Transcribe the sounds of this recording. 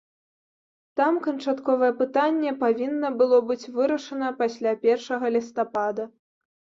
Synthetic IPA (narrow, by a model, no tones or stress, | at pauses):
t̪amkɐnt͡ʂat̪kɔvɐjɛpɨt̪anʲːɛpavʲinːɐbɨlˠɔbɨt͡sʲvɨɾɐʂɐnɐpasʲlʲapʲɛrʂɐɣɐlʲist̪apad̪ɐ